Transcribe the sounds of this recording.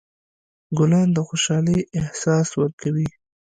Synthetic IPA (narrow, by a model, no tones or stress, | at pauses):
ɡʊlɑnd̪əxoʃɑliʔɪhsɑswəɾkawi